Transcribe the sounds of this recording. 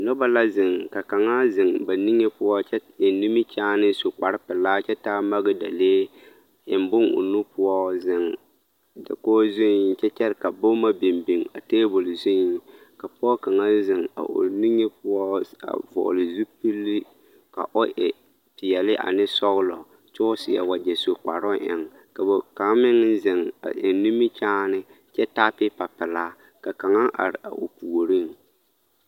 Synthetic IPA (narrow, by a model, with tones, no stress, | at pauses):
nɔ˦ba˦la˦zɪ˨ŋka˨ka˨ŋa˦zɪ˨ŋba˨ni˦ŋːe˦pʊ˦ɔ˦t͡ʃɛ˦ɪ˨ni˦mi˦t͡ʃaː˦nɨ˦sʊ˨k͡pa˨ɾɪ˦pɪ˨laː˦t͡ʃɛ˦taː˦ma˦ɡɨ˦da˨leː˦ | ɪ˨mbʊ˦ŋo̰˨nu˦pʊ˦ɔ˦zɪ˦˨ŋ | dɪ̰˨koː˦zʊ˦˨˦t͡ʃɛ˦t͡ʃɛ˦ɾɪ˦˨ka˨bo˦ma˦bɪ˨mbi˨ŋa̰˨teː˦bʊ˨lɪ˨zʊ˦ | ka˨pʊ˦ɔ˦ka˨ŋa˦zɪ˨ŋa̰˨ʔo̰˨ni˦ŋe˦pʊ˦ɔ˦a̰˨vɔ̰˨lɪ˨zu˦pi˦lːi˦ | ka˨ʔo˦ʔɛ˨ | pɪ˨ɛ˨lɪ˦ʔa̰˨nɪ˦sɔ˦ɣʊ˦lɔ˨ | t͡ʃʊ˦ʊ˦sɪ˨ja˨wa˨d͡ʒɛ˨so˨k͡pa˨ɾɔ˦ʔɛ̰˨ŋ | ka˨bo˨ka˨˦mɪ˦ŋ˦n˦zɪ˨ŋa̰˨ʔɪ˨ni˦mɪ˦t͡ʃaː˦nɪ˦ | t͡ʃɛ˦ta˦pɪ˦pa˨pɪ˨laː˦ | ka˨ka˨ŋa˦ʔa̰˨ɾɪ˨ʔa̰˨ʔo˨pu˨o˨ɾi˦ŋ